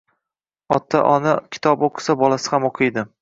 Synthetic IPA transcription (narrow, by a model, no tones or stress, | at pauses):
ɒt̪ʰːaʔɒnakʲʰɪ̥t̪ʰɒboqʰɨ̥sabɒlasɪ̥hamoqʰɨjd̪ɪ